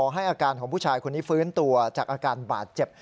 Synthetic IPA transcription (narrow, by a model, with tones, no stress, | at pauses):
ɦa˥˩jʔaː˧kaː˧nkʰɔː˩˦ŋpʰu˥˩aː˧jkʰo˧nːiː˦˥fɯː˦˥nt̪u˧ɐt͡ɕaː˨˩k̚ʔaː˧kaː˧nba̰ː˨˩t̪̚t͡ɕe˨˩p̚